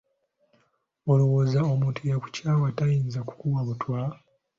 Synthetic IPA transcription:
o̞lowozao̞muːntʰujaku̥caːwatajiːnzaku̥kuwaβutwa

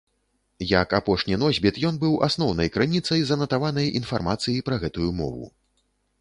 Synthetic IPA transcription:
jɐkapɔʂnʲinɔzʲbʲit̪jɔnbɨwʔa̰snɔwnɐjkɾɨnʲit̪sɐjzɐnɐt̪avanɐjinfarmat̪sɨjipɾɐɣɛt̪ujumɔ̰vṵ

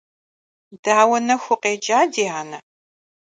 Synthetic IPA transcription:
daːwɐnɐxʷʊqʼeːd͡ʒʼaːdiːaːnɐ

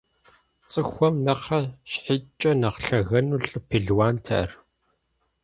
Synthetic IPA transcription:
t͡sʼɨxʷɔmnɐqrɐɕħɪt͡ʃʼɐnɐqɬɐɣɐnuːɬʼɨpʰeɮwaːntʰɐ̰ʔɐ̰r

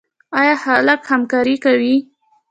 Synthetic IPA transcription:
ɑjɑhaləkhamkɑɾikawi

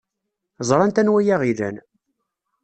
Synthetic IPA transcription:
zˤɾˤɑnt̪ænwæjæʁilæ̰n

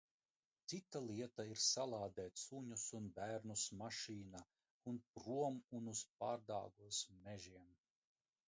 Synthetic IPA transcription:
tt̪sit̪ːalˠiɛt̪aiɾsalˠɑːd̪ɛːt̪suɲusunbæːɾnusmaʃiːna | unpɾuɔmunusp̚a̰ːɾd̪a̰ːɡuɔsmɛʒiɛm

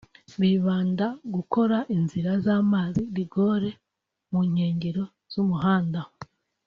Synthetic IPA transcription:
βiβaːndaɡuko̞ɾaʔinziɾazaːmaːziɾiɡo̞ːɾe̞ | muɲ̥eːɲɟeɾo̞ | z̥umuɦaːndaho

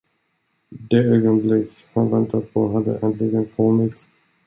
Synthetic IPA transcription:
d̪eːøːɡɔnblɪkː | hanvɛnt̪ʰat̪̚pʰɔɦad̪ːə̰ʔɛnt̪ʰlɪɡənkʰɔmːɪt̪

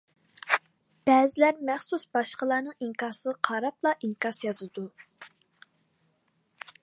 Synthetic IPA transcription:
b̥ɛːzɪlæɾmæχsusbɑʃqəlˠɑːnɨŋiŋkɑːsəqʰɑɾɑplˠɑʔiŋkɑsjɑzɨd̪u

